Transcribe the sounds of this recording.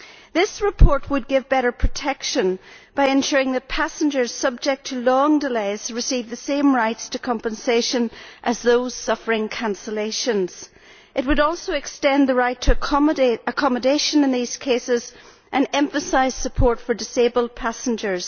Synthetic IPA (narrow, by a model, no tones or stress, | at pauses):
ðɪsɹɨpʰɔɹt̚wəd̚ɡɪvbɛɾə˞pʰɹ̥ɨtʰɛkʃə̃nb̥aɪɨ̃nʃʊɹɪ̃ŋðɨt̚pʰasə̃nd͡ʒə˞z̥sʌb̚d͡ʒɛk̚tʰəlɔ̃ŋdɪleɪz̥ɹɨsivðɨsẽmɹaɪtstʰɨkʰɑ̃mpə̃nseʃə̃nʔəzðoz̥sʌfə˞ɪ̃ŋkʰãnsəleɪʃə̃nz̥ | ʔɨt̚wəɾɔlˠsoɨkstɛ̃nðəɹaɪtʰə | əkʰɑmədeɪʃə̃nɨ̃nðiz̥kʰesɪz | ʔɨ̃nɛ̃ɱfəsaɪz̥səpʰɔɹtfə˞dɪsebəlˠd̚pʰasn̩d͡ʒə˞z̥